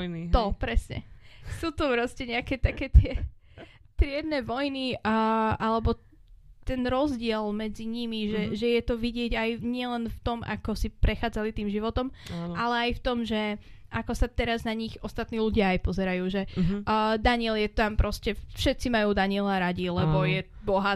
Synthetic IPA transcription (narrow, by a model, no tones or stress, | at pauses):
nit̪ɔpɾɛsɲɛ̰suːt̪ɔpɾɔscɛɲɛakɛt̪akɛːt̪ɪɛ | t̪ɾɪɛd̪nɛʋɔjni | ʔalɛbɔ | t̪ɛnɾɔzɟɪɛlmɛd͡ziɲimiʒɛʒɛjɛt̪ɔʋiɟɪɛɟajɲɪɛlɛnft̪ɔma̰kɔsipɾɛxaːd͡zalit̪iːmʒiʋɔt̪ɔmʔalɛajft̪ɔmʒɛ | akɔsat̪ɛɾaznaɲixɔst̪at̪niːluɟɪaːjpɔzɛɾajuːʒɛː | d̪aɲɪɛljɛt̪ampɾɔscɛfʃɛt̪̚t͡simajuːd̪aɲiɛlaɾaɟilɛbɔjɛ | bɔɦa